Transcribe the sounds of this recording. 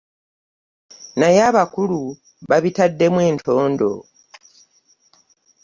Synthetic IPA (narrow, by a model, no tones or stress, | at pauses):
najaːβakulu | βaβitadːe̞mwe̞ːntʰo̞ːndo̞̰